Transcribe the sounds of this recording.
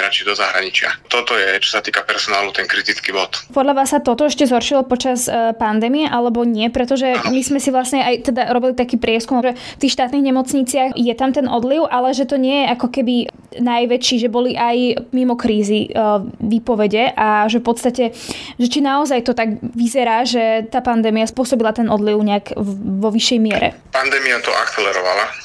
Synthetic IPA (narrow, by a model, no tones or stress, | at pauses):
ɾat͡ʃid̪ɔzaɦɾa̰ɲit͡ʃɪa̰t̪ɔt̪ɔjɛt͡ʃɔ̥sat̪iːkapɛɾsɔnaːlut̪ɛnkɾit̪it͡skibɔt̪pɔd̪ʎaʋaːsːat̪ɔt̪ɔɛʃcɛzɦɔɾʃilɔpɔt͡ʃaspand̪ɛmiɛʔalɛbɔɲɪɛpɾɛt̪ɔʒɛmizmɛsiʋlasɲɛajt̪ɛd̪aɾɔbilit̪akiːpɾɪɛskumʒɛ | ft̪iːxʃt̪aːt̪niːɣɲɛmɔt͡sɲit͡sɪaxjɛt̪amt̪ɛnʔɔd̪liʊʔalɛʒɛt̪ɔɲɪɛjɛʔakɔkɛbi | najʋɛt͡ʃiːʒɛbɔliʔajmimɔkɾiːziʋiːpɔʋɛɟɛʔaʒɛfpɔt̪st̪acɛʒɛt͡ʃinaɔzajt̪ɔt̪aɡʋizɛɾaːʒɛt̪aːpand̪ɛːmiaspʊɔsɔbilat̪ɛnɔd̪liʊɲɛakʋɔʋiʃːɛjmɪɛɾɛ̰ | pand̪ɛːmiat̪ɔ̰ʔa̰kt͡sɛlɛɾɔʋa̰la